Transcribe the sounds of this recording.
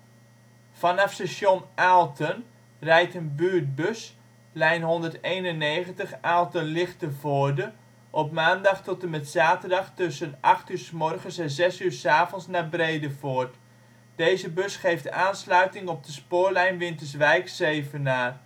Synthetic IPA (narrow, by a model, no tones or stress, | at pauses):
fɑnɑfsɛsjɔnʔaːlˠtʰən | rɛjtənbyːrt̚bøs | lɛjnɦɔndərtejnənːeːχəntəχaːlˠtənlɪχtəvoːdə | ʔɔpmaːndɑχtɔtəmɛtsaːtərdɑχtøsənʔɑχtyːɹsmɔrχənsɛnzɛsyːɹsaːvɔnsnabreːdəfoːərt | d̥ejzəbɵsχejftaːnslœɥtɪŋɔp̚dəspʊːrlɛjnʋɪntəs̬ʋɛjksejvənaː